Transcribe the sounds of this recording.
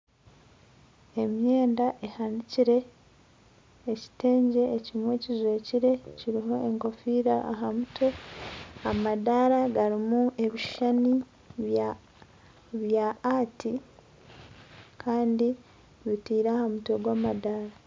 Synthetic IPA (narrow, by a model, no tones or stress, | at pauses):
e̞mje̞ːndaʔe̞haniciɾe̞ | ci̥te̞ːɲɟe̞ːcimwe̞ːcizwe̞ːciɾe̞ciɾiɦo̞ʔeŋko̞fiːɾaaɦamutʰo̞ | amadaɾaɡaɾimue̞βiʃani | βa | βjaːti | kʰaːndi | βitiːɾaːhamuto̞ɡwaːmadaɾa